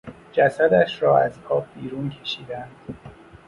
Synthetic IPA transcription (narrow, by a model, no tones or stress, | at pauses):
d͡ʒæsæd̪æʃɾɒːæzkʰɒːb̚biːɾuːncʰe̞̥ʃiːd̪ænd̪̥